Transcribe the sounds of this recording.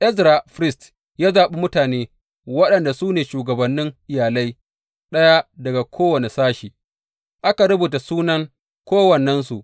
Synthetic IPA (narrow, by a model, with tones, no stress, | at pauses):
ʔɛ˦zɾa˨ɸɾɪ˦st | jaː˦zaː˨ɓe˦mʊ˦taː˨neː˦ | wɐ˦ɗɐ˨nda˨suː˦neː˨ʃuː˨ɡɐ˨bɐ˨nːɪ˦ŋʔɪ˨jaː˨lɐ˦j | ɗɐ˦ja˦dɐ˨ɡa˨kʰʷoː˦wɐ˨ne˨saː˦ʃiː˨ | ʔa˦ka˨ɽʊ˦buː˨ta˨suː˦nɐ˦ŋ | kʷoː˦wɐ˨nːɐ˦ns̬u˨ʔ